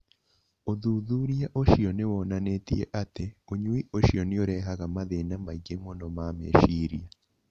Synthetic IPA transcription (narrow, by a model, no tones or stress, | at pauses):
oðuðuɾijaʔoʃionewonanetḭjḛʔateoɲwiʔoʃionioɾeɦaɣamaðenamaɡemonomaːmḛːʃiɾija